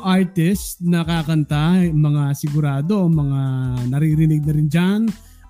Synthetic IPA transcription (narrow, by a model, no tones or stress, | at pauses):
ʔaɾt̪ɪst̪nɐkakɐnt̪amɐŋasɪɡʊɾaːd̪o̞mɐŋanɐɾiːɾɪnɪɡ̚nɐɾɪnd͡ʒan